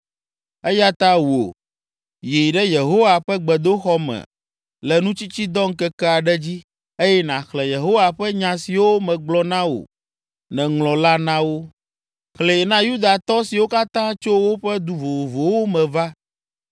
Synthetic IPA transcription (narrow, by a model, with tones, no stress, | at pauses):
e˦ja˦t̪a˦wu˨o̰˨ | ji˨ɖɛ˦je˨ɦo˦wa˨ɸɛ˦ɡ͡bɛ˨d̪o˦xɔ˦mɛ̰̃˨ | lɛ˨nũ˦t͡ɕi˦t͡ɕi˦d̪ɔ˦ŋ̩˦kɛ˦kɛ˦a˨ɖɛ˦d͡ʑi˦ | e˦jɛ˦nã˨xlɛ˨je˨ɦo˦wa˨ɸɛ˦ɲã˨si˨wo˦mɛ̃˨ɡ͡blɔ˦nã˦wo̰˨ | nɛ̃˨ŋlɔ̃˨la˦nã˦wo˦ | xlɛ˨jɛ˨nã˦ju˦d̪a˨t̪ɔ˦si˨wo˦ka˦t̪ã˦t͡ʃo˦wo˦ɸɛ˦d̪u˦vo˨vo˨vo˨wo˦mɛ̃˨va˦